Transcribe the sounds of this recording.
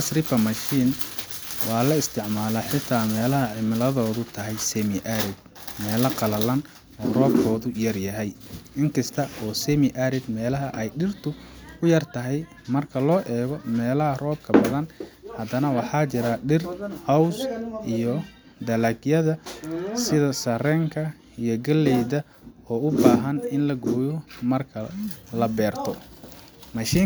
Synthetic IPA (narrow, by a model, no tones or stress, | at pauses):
ɐsrɪfɐmɐʃiːn | wɑːlɐɪst̪ʰɪʕmaːlɐħɪt̪ʰːaːmɛːlɐɦɐʕɪmɪlɐðɔːðʊt̪ʰɐɦɛjsɛmɪʔaɾɪd̪̚ | mɛːlɐqɑlɐlɐn | ɔːrɔːb̚kʰɔːðʊjɐrjɐɦɛjɪŋkʰɐst̪ʰɐɔːsɛmɪʔaɾɪd̪mɛːlɐɦɐʔɛjɖɪrt̪ʰʊʊjɐrt̪ʰɐɦɛj | mɐrkʰɐlɔːʔɛːɣɔmɛːlɐɦɐrɔːb̚kʰɐbɐðɐnhɐd̪ɐnɐwɑħɑːt͡ʃɪɾɐɖɪrhɐwsʔijɔ | d̪ɐlɐɡjɐðɐsɪðɐsɐrɛːŋkʰɐ | ijɔɡɐlːɛjðɐ | ɔːʊbaːɦɐnɪnlɐɡɔːjɔmɐrkʰɐlɐbɛːrt̪ʰɔ | mɐʃiː